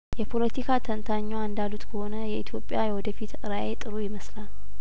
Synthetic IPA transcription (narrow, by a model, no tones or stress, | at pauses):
jɛpʰo̞lət̪ʰikʰat̪ʰənt̪ʰaɲːaɨnd̪alut̪kʰəho̞nəjɛit̪ʰjo̞pʼːjajɛwɔd̪əfit̪ɨɾajet̪ʼɨɾujɪməslal